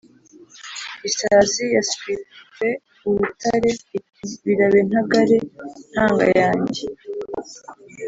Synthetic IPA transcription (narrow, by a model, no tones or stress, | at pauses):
isazijaswiɾuwe̞ | uɾutaɾe̞i | βiɾaβen̥haɡaɾe̞n̥haːŋɡa̰jaːɲɟe